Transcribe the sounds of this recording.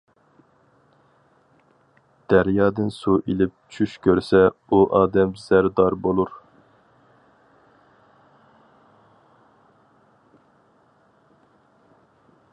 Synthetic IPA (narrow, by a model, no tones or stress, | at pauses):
d̪̥æɾjɑːd̪ɪnsuʔilɪp̚t͡ʃʰyʃkʲʰøɾsɛuʔɑːd̪ɛmz̥æɾd̪ɑɾbolˠuɾ